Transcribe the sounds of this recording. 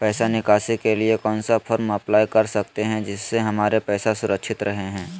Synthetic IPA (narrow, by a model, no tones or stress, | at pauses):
pɛːsanɪkaːsikeliekɔːnsapʰɐɾmɐplaːikɐɾsɐk̚t̪eɦɛ̃d͡ʒɪsːeɦɐmaːɾepɛːsasʊɾəkʃɪt̪ɾɐɦeɦɛ̃ː